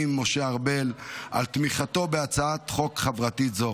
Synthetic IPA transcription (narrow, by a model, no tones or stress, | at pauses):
imːo̞ʃeaʁbe̞la̰lt̪miχato̞be̞at͡saat̪χo̞kχavʁat̪izo